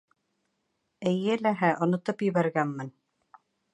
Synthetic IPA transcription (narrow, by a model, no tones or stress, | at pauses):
ɘ̆jɘlæɦæʔŏnŏt̪ɤpjɘ̆βæɾɡænːɘn